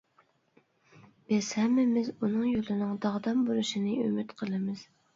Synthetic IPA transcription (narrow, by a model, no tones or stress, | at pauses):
b̥ɪz̥hæmːɪmɪzunɨŋjolˠɨnɨŋd̪ɑʁd̪ɑmbolˠuʃinɨømyt̪qʰəlˠɨmɨz̥